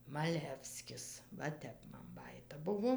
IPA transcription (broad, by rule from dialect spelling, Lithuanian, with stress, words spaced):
mɐˈlʲæːwsʲkʲɪs ʋɐ ˈtʲɛp mɐn ˈbɑːjiːtɐ ˈbʊʋoː